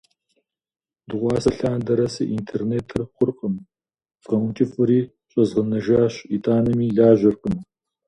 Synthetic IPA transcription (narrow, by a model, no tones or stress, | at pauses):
d̪uʁʷɑːsɐɬaːnd̪ɐɾɐsɐʔint̪ʰeɾnet̪ʰːɨɾχʷʊɾqʼəm | z̥ʁɐwnt͡ʃʼifuɾi | ɕʷʼɐzʁənɐʒaːɕit̪aːnɐmiɮaːʒʷɐɾqəm